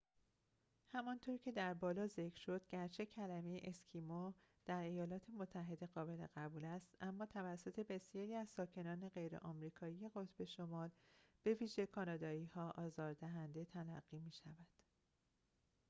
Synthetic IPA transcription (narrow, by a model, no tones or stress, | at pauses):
hæmɒnt̪ʰoɾcʰe̞d̪æɾbɒːlɒːze̞cʰɾ̥ʃo̞d̪̥ɟæɾt͡ʃʰe̞cʰælæmejeʔescʰimo | d̪̥æɾe̞jɒːlɒːt̪ʰe̞mo̞t̪ʰːæɦe̞d̪e̞ɣɒːbe̞le̞̰ɣæbuːlæst̪ʔæmːɒːt̪ʰævæsːo̞t̪ʰe̞be̞sijɒːɾiːæzsɒːcʰe̞nɒːne̞ɢe̞jɾe̞̰ʔɒːmɾiːkʰɒːijeɣo̞t̪ʰb̥e̞ʃo̞mɒːlb̥e̞viːʒe̞kʰɒːnɒːd̪ɒːiːhɒːʔɒːzɒːɾd̪æɦænd̪e̞t̪ʰælæɢːiːmiːʃævæd̪̥